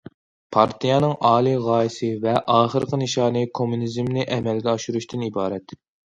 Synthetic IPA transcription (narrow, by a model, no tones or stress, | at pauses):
pʰɑɾt̪ijɑnɨŋʔɑːlˠiʁɑːisɨvɛʔɑːχəɾqʰənɨʃɑːnɨkʰomunizmnɪʔɛmɛlɡʲɛɑʃuɾuʃt̪ʰɪnibɑːɾɛt̪